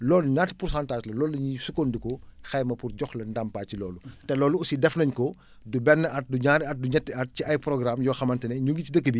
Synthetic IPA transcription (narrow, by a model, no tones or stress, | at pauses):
lɔːluɲatːpursãːntaːd͡ʒlɐlɔːlɐɲisukondikɔxɛjmɐpurɟɔxlɐndampaːcilɔːlutɛlɔːluusidɛfnɐɲkɔ | dubɛnːəɐt̚duɲaːɾiɐt̚duɲɛtːiɐt̚ciɐjprɔɡɾamjɔːxɐmɐntɐnɛɲuŋɡicidəkːəbi